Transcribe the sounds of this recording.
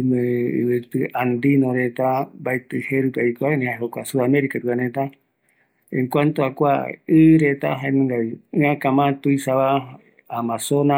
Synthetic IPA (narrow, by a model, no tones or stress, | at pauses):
meɨ̰βɨt̪ɨʔand̪inõɾet̪abaet̪ɨheɾukaikoaenĩhaɦokʷasuðameɾikat̪uanẽt̪a | ẽŋkʷant̪oakʷa̰ɨɾet̪aɦaemɨ̃ŋɡaiɨãkamãt̪uisaβa | amãsona